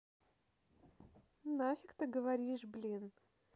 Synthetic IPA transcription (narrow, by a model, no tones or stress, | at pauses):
nafʲikt̪ɨɡəvɐɾʲiʂblʲin